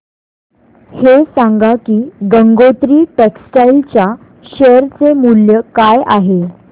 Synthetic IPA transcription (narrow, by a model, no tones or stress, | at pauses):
hesãŋɡakiːɡəŋɡot̪ɾiːʈeksʈajlt͡ɕja | ɕəɾt͡semuljəkajaɦe